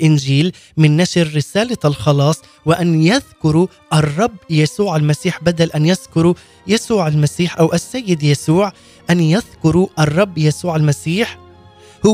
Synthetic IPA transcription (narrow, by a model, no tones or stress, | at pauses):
ʔɪnʒiːl | mɪnːaʃɾːɪsaːlalxɑlɑːsˤ | wɪʔanjaðkʊɾu | ʔɑrˤːɑbːjasuːʕalmasiːħbad̪alʔanjaðkʊɾu | jasuːʕalmasiːħʔawʔasːajːɪd̪jasuːʕ | ʔanjaðkʊɾuʔɑrˤːɑbːjasuːʕalmasiːħ | hʊ